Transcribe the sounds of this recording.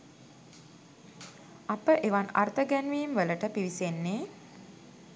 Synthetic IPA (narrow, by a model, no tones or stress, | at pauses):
apəʔeʋana̰rt̪əɡænʋiːmʋələʈəpiʋisenːeː